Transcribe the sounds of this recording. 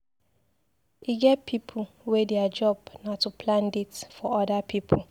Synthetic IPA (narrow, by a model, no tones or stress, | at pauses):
iɡɛt̚pʰipʰʊ | wedead͡ʒɔbnatːupʰlãnditfɔɔdapʰipʰl̩